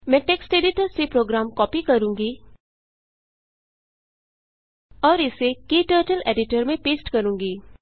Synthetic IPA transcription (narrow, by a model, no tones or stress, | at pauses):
mɛ̃ːʈeːksʈeːɖɪʈəɾsepɾoːɡɾaːmkɔːpikɐɾũːŋɡi | ɔːɾɪsekeːʈəːɾʈəlḛːɖɪʈəɾmẽpeːsʈkɐɾũːŋɡiː